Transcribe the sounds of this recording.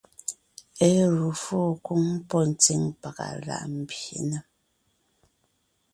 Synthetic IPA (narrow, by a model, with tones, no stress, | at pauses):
e˦ɣu˨foː˦˨ku˦ŋ˦pɔ˦n̩˨t͡si˦ŋpa˨ɣa̰˨la̰˨ʔm̩˨bjḭ˨nə˨